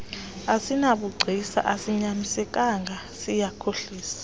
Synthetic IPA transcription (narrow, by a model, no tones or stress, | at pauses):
asinaɓuɡ͡ǀʱisa̰ʔasiɲamisɛk̬ʼaŋɡʱa | sijakʰoɬiːsḁ